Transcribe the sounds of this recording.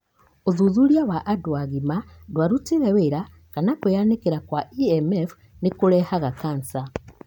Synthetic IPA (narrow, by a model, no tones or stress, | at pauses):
ozuzuɾjawaʔːdwaɣima | dwaɾutiɾeweɾa | kanakujanekeɾakwaiemef | nikuɾɛhaɣakaːnsa